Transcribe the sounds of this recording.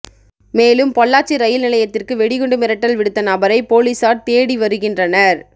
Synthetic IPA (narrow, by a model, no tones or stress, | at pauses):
meːlɯmpɔɭːaːt͡ʃiɾɐjɪlnɪlɐjɐt̪ːɪrkɯʋɛɽɪɣɯɳɖɯmɪɾɐʈːɐlʋɪɽɯt̪ːɐnɐbɐɾɐɪpoːliːsaːɾt̪eːɽiʋɐɾɯɣɪndrɐnɐɾ